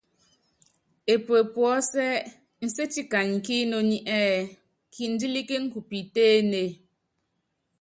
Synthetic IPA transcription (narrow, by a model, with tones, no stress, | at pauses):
e˨pe˨pwɔ˨˦sɛ˦ʔ | n̩˨se˦ti˦ka˨ɲ˨ki˦no˨ɲi˦ʔɛ˦ | kʰi˨n̩˦di˦li˦ke˦ŋ̩˦ku˨pi˨teː˦ne˨